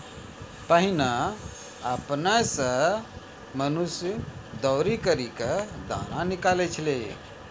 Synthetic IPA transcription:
pəɦina | əpnajsə̃ | mənusjd̪ɔʊɾikəɾiked̪a̰nanikalet͡ʃʰəle

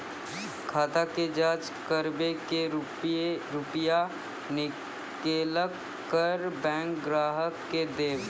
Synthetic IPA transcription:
kʰaːt̪aked͡ʒaːd͡ʒ | kəɾbeke | ɾʊpja | nɪ | keːləkː | əɾbɛ̃ːŋkɡɾaːɦəkːed̪eːw

